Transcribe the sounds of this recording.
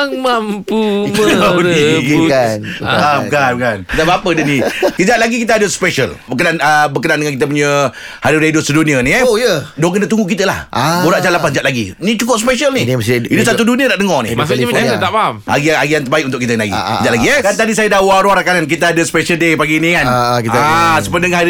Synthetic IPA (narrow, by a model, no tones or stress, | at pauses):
ŋmampu | ianamkankanit̪abaapədənikid͡ʒat̪laɡikit̪̬əadəsə̥peʃə̰lbəkənanəbərkənandəŋankit̪əp̬uɲə | haɾuɾedʊsədunĩənijədoŋkənat̪uŋɡuʔk̬it̪əla̰huɾaʔd͡ʒalapasd͡ʒaʔlaɡinit͡ʃukʊspeʃəlniinusat̪̬uduniədaʔdəŋɔnɪ̰asiməɲaət̪abaama̰ɡiaaɡiant̪ərbaɪk̚ʔunt̪ʊʔkit̪ənlaɡḭd͡ʒaʔlaɡiəkant̪adisajadawaɾuaɾakanank̬it̪aadəspeʃəldepaɡinikankisəpəndəŋɦa